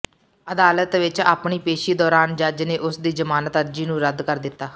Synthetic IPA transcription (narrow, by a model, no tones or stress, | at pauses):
əd̪aːlət̪ʋɪt͡ʃa̰ːpɳiːpeːʃiːd̪ɔːɾaːnd͡ʒəd͡ʒneːʔʊsd̪iːzəmaːnət̪əɾd͡ʒiːnũːɾəd̪kəɾd̪ɪt̪ːaː